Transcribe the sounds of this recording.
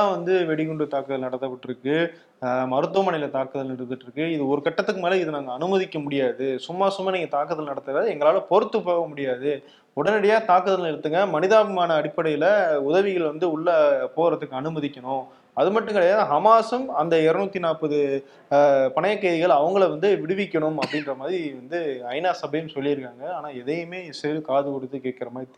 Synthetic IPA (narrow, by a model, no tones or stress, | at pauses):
ãːʋɐnd̪ɯʋɛɽɪɣʊɳɖɯt̪aːkɯðɐlnɐɽɐt̪ːɐpɐʈːɪɾɯkːɯ | mɐɾɯt̪ːʊʋɐmɐnɐɪjɪlɐt̪aːkɯðɐlɪɽɯt̪ːɯʈːɾɯkːɯɪðɯɔɾɯkɐʈːɐt̪ːɯkːɯmeːlɐɪðɯnaːŋɡɐːnɯmɐðɪkːɐmʊɽɪjaːðɯsʊmːaːsʊmːaːniːŋɡɐt̪aːkːɯðɐlnɐɽɐt̪ːɐɾðɯɛŋɡɐɭaːlɐpɔɾɯt̪ːɯpoːɣɐmʊɽɪjaːðɯ | ɔɽɐnɪɽɐjaːt̪aːkɯðɐlɛɽɯt̪ːɯŋɡɐmɐnɪðaːɣɯmaːnɐːɽɪpːɐɽɐjɪlɐʊðɐʋɪɣɐɭʋɐnd̪ɯʊɭːɐpoːɾɐðɯkːɯɐnɯmɐðɪkʲːɐɳʊ̃ | ɐðɯmɐʈːɯ̃ŋɡɪɽɐjaːðɦɐmaːsɯmɐnd̪ɐɛɾɐnuːt̪ːinaːpːɐðɯ | pɐɳɐjɐkːɐɪʋɪɣɐɭɐʋɐŋɡɐɭʋɐnd̪ɯʋɪɽɯʋɪkʲːɐɳʊmɐpːɐɽɪndɾɐmaːðɾiʋɐnd̪ɯɐɪnaːsɐbɐjɯmsɔlːɪɾɯkːaːŋɡɐaːnaːɛðɐjɯmeːsɛɐlkaːðɯkɔɽɯt̪ːɯkeːʈ̚kɪɾɐmaːðɾit̪